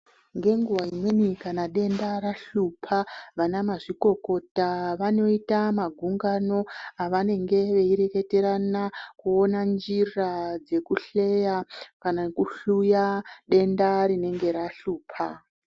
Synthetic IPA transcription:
ŋɡe̞ŋɡuʋaimwenikanaɗe̞ndaɾaɬupʰaʋanamaʐiko̞ko̞taʋano̞itamaɡʱuŋɡano̞aʋane̞ŋɡe̞ʋe̞iɾe̞ke̞te̞ɾanakuo̞nand͡ʒirad͡ze̞kuɬe̞jakanakuɬujaɗe̞ndaɾine̞ŋɡe̞ɾaɬuːpʰa

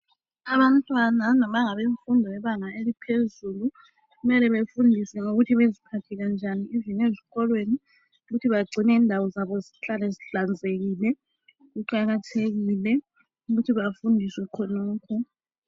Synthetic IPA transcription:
aβantʼwananɔmaŋaβeɱfundʱɔjɛβaŋaelipʰezulu | ɣumɛlɛβefundʱisɛŋoɣutʰiβezipʰatʰɛɣand͡ʒʱaniivineziɣɔlweni | uɣutʰiβaɡ͡ǀʱinɛiːndʱawɔzaβɔziɬalɛziɬand͡zʱeɣilɛ | ɣuǃaɣatʰeɣilɛ | uɣutʰiβafundʱiswɛkʰɔnɔːkʰɔ

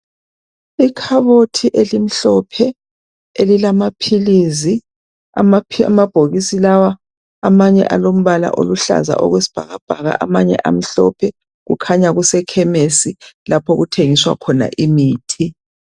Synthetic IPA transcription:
ikʰaβotʰiʔelim̩ɬɔpʰɛ | elilamapʰilizi | amaa̰mab̥ʱoɣisilawaː | maɲɛ̰ʔalom̩βala̰ʔo̰luɬa̰za̰ʔɔ̰ɣwesi̥b̥ʱaɣab̥ʱaɣa̰ʔamaɲɛ̰ʔa̰m̩ɬɔ̰pʰɛ | ɣṵkʰaɲaɣusɛkʰɛmesilapʰɔɣutʰeŋiswa̰kʰɔna̰ʔimiːtʰi

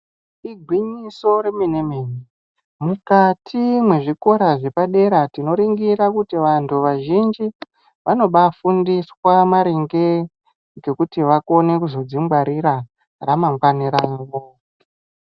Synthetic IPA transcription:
iɡʱwiɲiso̞ɾeminemeni | mukatʰimwe̞ʐiko̞ɾaʐe̞paɗe̞ɾatino̞ɾiŋɡiɾakutiʋantʰuʋaʒind͡ʒi | ʋʔano̞ɓafundiswamaɾeŋɡe | ɡe̞kutiʋako̞ne̞kuzo̞d͡zimɡwaɾiɾa | ramaŋɡwaniɾaʋo

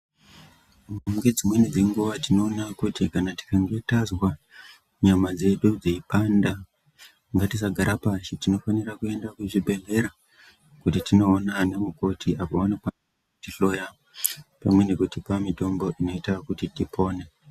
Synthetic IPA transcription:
mɡe̞d͡zimwe̞nid͡zeŋɡuʋatino̞ːnakutikanati̥kaŋɡe̞tazwa | ɲamad͡ze̞ɗud͡zeipanda | ŋɡatisaɡʱaɾapat͡ʃitino̞fanirakue̞ndakuʐibʱe̞ɮe̞ɾa | kutitino̞ːnanemuko̞tʰiʔapoʋano̞kwanaa | utiɬo̞ja | pamwe̞nekutipamito̞mbo̞ʔino̞itakutitipʰo̞ːne̞

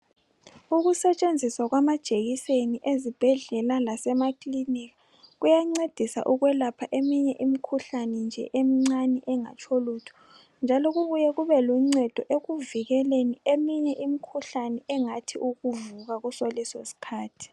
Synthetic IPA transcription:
uɣusɛt͡ʃʼend͡zʱiswaɣwamad̥ʒ̥ʱeɣiseniʔezib̥ʱɛɮɛlalasɛmakliniɣa | ɣujaŋ͡ǀed̥ʱisa̰ʔuɣwɛlapʰaʔemiɲɛʔimikʰuɬanɛnd͡ʒʱɛ̰ʔemiŋ͡ǀanɛʔɛŋa̰t͡ʃʰʼolutʰu̥ | nd͡ʒʱalɔɣuβujɛɣuβɛluŋ͡ǀɛd̥ʱɔʔeɣuviɣɛleniemiɲɛʔimikʰuɬanɛɛŋatʰiʔuɣuvuɣaɣusolisosi̥kʰaːtʰi̥

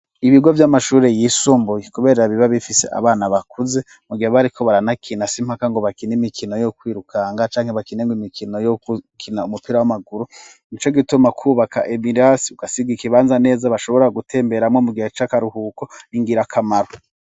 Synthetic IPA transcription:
iβiɡovjamaʃuːɾe̞jiːsuːmbujekuβe̞ːɾɾaβiβaβifise̞̰ʔa̰βaːnaβakʰuze̞ | muɡihaβaɾikʰo̞βaɾanakʰinasim̥hakaŋɡoβakinimikʰino̞jokwiːɾukʰaŋɡat͡ʃaːŋheβakineŋɡimikʰino̞jokukʰinaumupiɾawamaɡuɾu | nit͡ʃoɡitumakʰuːβaka̰ʔemiɾasiuɡ̥asiɡikiβaːnzane̞ːzaβaʃo̞βo̞ɾaɡutʰe̞ːmbe̞ɾamŋo̞muɡihat͡ʃakaɾuhuːko̞niŋɡiɾakʰamaɾo

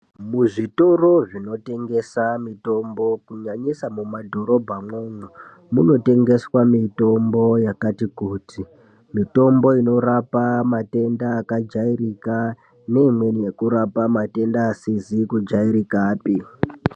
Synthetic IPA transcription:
muʐito̞ro̞ʐino̞te̞ŋɡesamito̞mbo̞kuɲaɲisamumadʱo̞ɾo̞bʱamwoːnu | muno̞te̞ŋɡe̞swamito̞mbo̞jakatikuːti | mito̞mbo̞ino̞ɾapamate̞ndaːkad͡ʒairika | ne̞imwe̞nije̞kuɾapamate̞ndaːsizikud͡ʒaiɾikaːpi

